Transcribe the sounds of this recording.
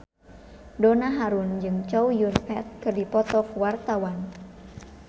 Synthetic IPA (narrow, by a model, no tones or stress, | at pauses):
donaɦaɾund͡ʒɨŋt͡ʃɔwjurfɛt̪̚kɨrdipɔt̪ɔkwart̪awan